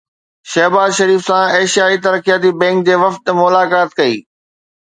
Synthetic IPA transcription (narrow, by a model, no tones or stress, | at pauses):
ʃɐɦbaːzʃɐɾiːfsãeːʃjaːit̪ɐɾkjaːt̪̬ibɛ̃ːŋk̚d͡ʑeːʋɐft̪mʊlaːkaːt̪kɐḭː